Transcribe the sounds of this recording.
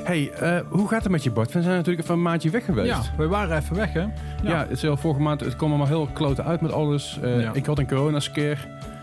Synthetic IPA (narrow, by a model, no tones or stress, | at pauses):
hejəɦuɣaːtətmɛtjəbɔɹtfɛnzɛjnntyːləkɛfəənmaːntəʋɛxəʋejtʋɛjʋaːrəɛfəʋɛxɛjaːəsɛlˠfɔləɣəmaːntətkɔmɔlˠmalˠɦɪlˠʋklowtəʔœɥtmɛtɑləsəɪkɦɑtənkorownaskɪːr